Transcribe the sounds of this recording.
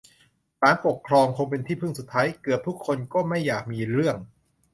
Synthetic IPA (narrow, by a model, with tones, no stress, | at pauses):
saː˨˩˦npo˨˩kʰɾɔː˧ŋkʰo˧ŋpe˧nt̪ʰiː˥˩pʰɯ˥˩ŋsu˨˩t̪ʰːaː˦˥jkɯ˨˩əp̚t̪ʰu˦˥kʰːo˧nkɔː˥˩ma˥˩jːaː˨˩k̚miː˧ɾɯ˥˩əŋ